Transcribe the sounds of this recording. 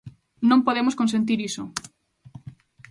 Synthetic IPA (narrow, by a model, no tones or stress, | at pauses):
nõmpoðemʊskons̬ẽnt̪̬iɾiso